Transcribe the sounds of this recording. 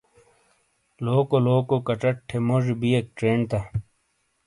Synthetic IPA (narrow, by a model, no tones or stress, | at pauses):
loːkoloːkokɐʈ͡ʂɐʈʈʰːemoʐbiek̚ʈɾeːɳt̪a